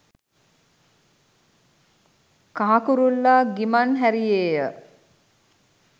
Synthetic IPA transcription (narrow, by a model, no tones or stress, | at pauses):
kaɦakuɾulːaɡimanɦæɾijeːjə